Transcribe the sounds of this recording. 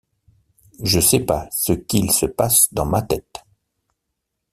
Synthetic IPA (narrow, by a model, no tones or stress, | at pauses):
ʒəsɛpasəkʲilsəpasd̪ɑ̃mat̪ɛt̪